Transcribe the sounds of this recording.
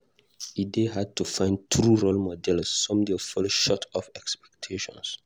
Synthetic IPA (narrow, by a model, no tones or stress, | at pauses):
ideɦad̚tufãɪ̃nd̚tɾuɹolmɔdɛlsːɔ̃mdefɔlʃɔtʰɔfɛkspɛ̥k̚tʰeʃɔ̰̃ns